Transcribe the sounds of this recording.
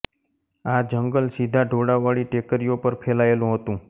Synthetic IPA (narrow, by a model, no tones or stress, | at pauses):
ad͡ʒəŋɡəlsid̪ʱaɖʱoɽaʋaɭiʈekəɾijopəɾpʰelaelũɦət̪ũ